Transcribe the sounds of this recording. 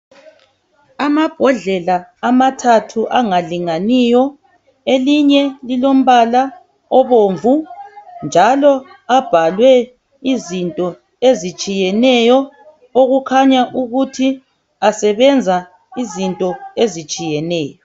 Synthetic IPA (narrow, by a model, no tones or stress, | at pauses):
amab̥ʱɔɮɛlaːmatʰatʰuʔaŋaliŋanijɔ | eliɲɛlilom̩βala | ɔβoɱvund͡ʒʱalɔ | ab̥ʱalwɛ | izintʼɔ | ezit͡ʃʼijɛnɛjɔ | oɣukʰaɲaʔuɣutʰi | asɛβɛnd͡zʱa | izintʼɔezit͡ʃʼijɛnɛːjɔ